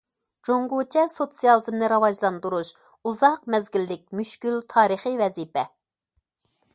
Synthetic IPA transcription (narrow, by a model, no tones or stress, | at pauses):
d͡ʒoŋɡut͡ʃʰɛsot̪sijɑlˠɨzɨmnɨɾɑvɑʒlˠɑnd̪uɾuʃ | uzɑq̚mɛzɡʲilːɪk̚ʲmyʃkʲylt̪ʰɑːɾɨχɨvɛzipɛ